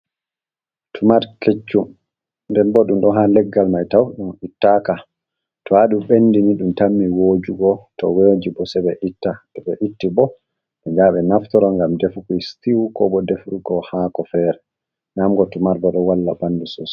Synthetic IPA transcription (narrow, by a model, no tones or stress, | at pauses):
tʰumaɾket͡ʃːum | ndɛnbɔɗumɗɔɦalɛɡːalmajtawɗumitːaka | tɔhaɗumɓenːdiniɗumtamːiwoːd͡ʒuɡɔtɔ̰woːd͡ʒibɔsɛbɛʔitːatɛɓɛʔitːibɔ | ʔɛd͡ʒaɓɛnaftɔɾɔŋɡamdefukujstiwukɔbɔdefɗuɡɔhakɔfɛːɾɛ | namɡɔtumaɾbɔɗɔwalːabanːdusɔs